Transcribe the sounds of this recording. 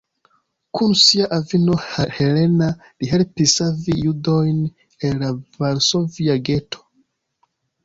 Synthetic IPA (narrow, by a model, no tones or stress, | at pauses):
kʰunsiaʔavinohahelena | liɦelpisavijudojn | elavaɾsoviaɡetʰo̥